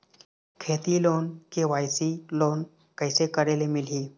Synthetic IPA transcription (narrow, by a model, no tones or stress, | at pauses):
kʰet̪ilonkeʋajsilon | kəjsekəɾelemilɦiː